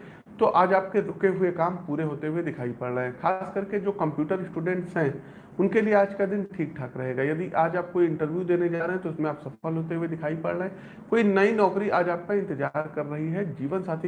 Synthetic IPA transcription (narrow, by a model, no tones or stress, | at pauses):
t̪oʔaːd͡ʒaːp̚ked̪ʱʊkeɦʊekaːmpuːɾeɦoːt̪eɦued̪ɪkʰaːipɐɽɾəɦɛ̃xʰaːskɐɾked͡ʒoːkɐ̃mpjuːʈəɾsʈuːɖɛ̃ːɳʈsɦɛ̃ | ʊnkelieaːd͡ʒkad̪ɪnʈʰiːk̚ʈʰaːkɾɐɦeːɡaːjɐd̪iʔaːd͡ʒaːp̚koiɪ̃ɳʈəɾʋjud̪eːned͡ʒaːɾeɦɛ̃t̪oɪsmẽaːpsɐəlɦoːt̪eɦued̪ɪkʰaːipɐ̰ɽəɦɛ̃ | koːinɐinɔːkɾiʔaːd͡ʒaːp̚kaɪ̃nt̪ɪd͡ʒaːɾkɐɾːɐɦiɦɛd͡ʒiːʋənsaːt̪ʰi